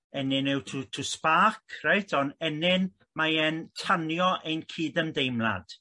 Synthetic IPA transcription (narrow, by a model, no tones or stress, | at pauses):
ɛnɪnɪwtʰutʰuspakʰreɨtʰɔnɛnɪn | maɛntʰanjɔʔejnkʰiːdəmdejmlˠa̰d̥